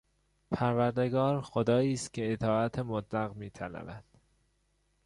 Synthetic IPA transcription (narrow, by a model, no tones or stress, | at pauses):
pʰæɾvæɾd̪e̞ɡɒːɾxod̪ɒːiːst̪cʰe̞et̪ʰɒːæt̪ʰemot̪læɣmiːt̪ʰælæ̰væd̪̥